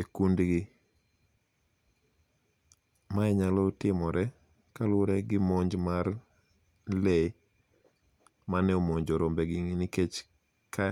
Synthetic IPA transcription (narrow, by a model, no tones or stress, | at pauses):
ekundɡɪ | maɛɲalɔtɪmɔɾɛ | kalʊɾɛɡɪmɔɲd͡ʒmar | le | manɛomɔɲd͡ʒɔɾombɛɡɪŋniket͡ʃ | ka